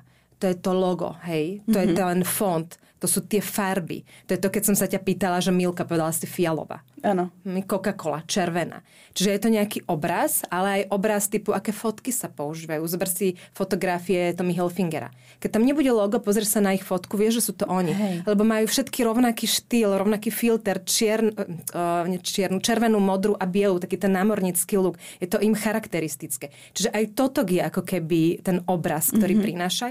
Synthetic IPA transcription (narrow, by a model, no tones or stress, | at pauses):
t̪ɔjɛt̪ɔlɔɡɔ̰ɦɛjt̪ɔjɛt̪ɛɛnfɔnt̪ | t̪ːɔsuːt̪ɪɛfaɾbḭt̪ɔjɛt̪ɔkɛcsɔmsacapiːt̪alaʒɛmilkapɔʋɛd̪alasifialɔ̰ʋa̰anɔkɔkakɔla̰t͡ʃɛɾʋɛna̰ː | t͡ʃiʒɛjɛt̪ɔɲɛakiʔɔbɾasalɛajʔɔbɾast̪iːpuakɛːfɔt̪kisapɔuʒiːʋajuzbɛr̩sifɔt̪ɔɡɾafiɛɛt̪ɔmiɦɛlfiŋɡɛɾa̰ | kɛc̚t̪amɲɛbuɟɛlɔɡɔpɔzɾɛʃsanaixfɔt̪kuʋɪɛʒʒɛsuːt̪ɔʔɔɲilɛbɔmajuːfʃɛt̪kiɾɔʊnakiːʃt̪ilɾɔʊnakiːfilt̪ɛɾt͡ʃɪɛɾn | ɲɛt͡ʃɪɛɾnut͡ʃɛɾʋɛnuːmɔd̪ɾuʔabɪɛluːt̪akiːt̪ɛnːaːmɔɾɲit͡skiːluɡjɛt̪ɔʔimxaɾakt̪ɛɾist̪it͡skɛː | t͡ʃiʒɛʔajt̪ɔt̪ɔɡjɛakɔkɛbit̪ɛnɔbɾaskt̪ɔɾiːpɾinaːʃa